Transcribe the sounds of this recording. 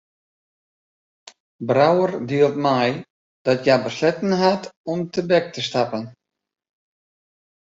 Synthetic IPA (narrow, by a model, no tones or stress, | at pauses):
brawərdiəlˠtmɛj | d̥ɔtjabəslɛtən̩ɦatɔmtəbɛk̚təstapən